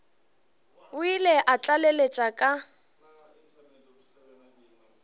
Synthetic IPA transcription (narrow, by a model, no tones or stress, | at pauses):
ʊilɛʔat͡ɬʼalelet͡ʃʼakʼa